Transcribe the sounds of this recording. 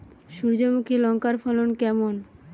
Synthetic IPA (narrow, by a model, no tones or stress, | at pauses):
ʃuɾd͡ʑomukʰilɔŋkaɾfɔlonkɛmon